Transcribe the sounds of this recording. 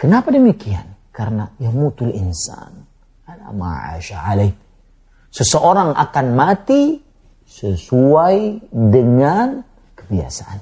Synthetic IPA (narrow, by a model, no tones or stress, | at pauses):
kənapadəmikia̰nkaɾənajahmut̪ulinsa̰n | ala̰ma̰ʕa̰ʃaʕalaj | səsəʔoɾaŋʔa̰kanmat̪i | səsuajdəŋan | kə̥bia̰saʔan